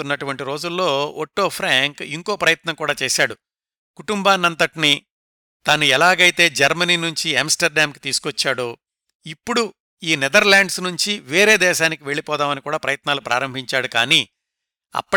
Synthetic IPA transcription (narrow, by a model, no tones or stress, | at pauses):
unːɐʈuʋɐɳʈiɾo̞ːd͡ʒulːo̞ːoʈːo̞ːpʰɾaːŋkiŋko̞ːpɾɐjɐt̪nɐŋkuːɽaːt͡ʃeːʃaːɽu | kuʈumbaːnːɐnt̪ɐʈini | t̪anuɛlaːɡɐjit̪e̞ːd͡ʒɐɾmɐniːnuɲt͡ʃiɐmsʈɐɾɖaːmki̥t̪iːsu̥kʋɔt͡ʃːaːɽu | ipːuɽu | iːnɛd̪ɐɾlaːɳɖsnuɲt͡ʃiʋeːɾe̞ːd̪ɛːʃaːnikiʋe̞ɭːipɔːd̪aːmɐnikuːɽaːpɾɐjɐt̪naːlupɾʔa̰ːɾɐmbʱiɲt͡ʃaːɽuka̰ːniː | ɐ̰pːɐ